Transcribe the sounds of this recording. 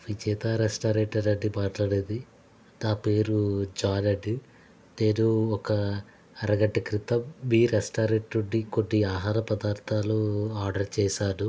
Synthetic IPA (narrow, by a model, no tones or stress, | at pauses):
ʋid͡ʒɛːt̪aːɾesʈaːɾeːʈɐɾɐɖːibaːʈlɐɽeːd̪i | d̪aːpeːɾud͡ʒaːlɐɖi | t̪eːɾuɔkɐ | ɐɾɐɡɐɖːɐkɾit̪ɐbiːɾesʈaːɾeʈɾuɳːikoɖːiaːɦaːɾɐpɐd̪aːɾt̪ʰaːluaːɾɖɐɾt͡ʃɛːsaːɽu